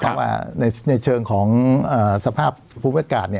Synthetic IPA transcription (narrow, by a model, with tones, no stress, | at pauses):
pʰɔ˦˥wa̰ː˥˩na˧jna˧jt͡ɕʰɤː˧ŋkʰɔː˩˦ŋʔəː˨˩sa˧pʰaː˥˩pʰːuː˧mi˥˩a˧kaː˨˩t̪̚ni˥˩